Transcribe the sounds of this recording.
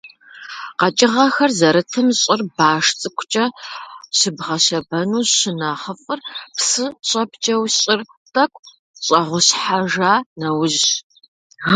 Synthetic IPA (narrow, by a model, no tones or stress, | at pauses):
qɐt͡ʃʼɪʁɐxɐrzɐɾɨtʰɨmɕʼɪrbaːʂt͡sʼɨkʷʰʊt͡ʃʼɐɕɪbʁɐɕɐbɐnuːɕɪnaχəfʼɨrpsɨɕʼɐpt͡ʃʼɐwɕɕʼɪr | tʼɐkʷʼ | ɕʼɐʁʷʊɕħaʒaːnɐwʑ